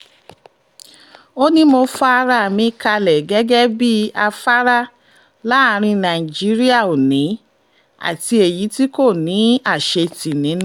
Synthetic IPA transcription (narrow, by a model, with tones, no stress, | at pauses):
o˦nĩ˦mo˧fa˦a˧ɾa˦˨mĩ˧˦ka˧lɛ˨ɡɛ˦ɡɛ˦bi˦a˧fa˦ɾa˦ | la˦a˧ɾ̃ĩ˧nã˨i˨d͡ʒi˨˦ɾi˦a˦˨o˨nĩ˨˦ | a̰˨ti˧e˨ji˨˦ti˦ko˦˨nĩ˨˦a˦˨ʃe˧ti˨nĩ˨˦n˦